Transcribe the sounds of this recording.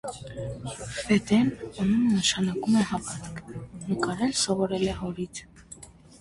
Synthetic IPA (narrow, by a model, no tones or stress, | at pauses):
fɛd̪ɛnɑnunnəʃɑnɑkumɛhɑvɑt̪kʰnəkɑɾɛlsɔvɔɾɛlɛhɔɾit̪ʰ